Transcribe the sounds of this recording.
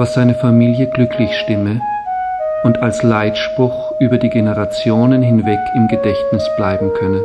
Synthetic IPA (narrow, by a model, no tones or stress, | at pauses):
v̥asz̥aɪnəfamiːljəɡlʏkʰlɪçʃtɪmə | ʊntalslaɪtʃpʁ̥ʊxʔyːbɐdiːɡenəʁat͡sjoːnənɦɪnvɛkʰɪmɡədɛçtnɪsb̥laɪbm̩kʰœnə